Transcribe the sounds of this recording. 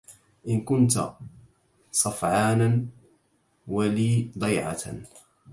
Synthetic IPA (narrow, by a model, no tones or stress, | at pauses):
ʔɪnkʊnt̪a̰ | sˤɑfʕɑːnan | waliːd̪ˤɑjʕa̰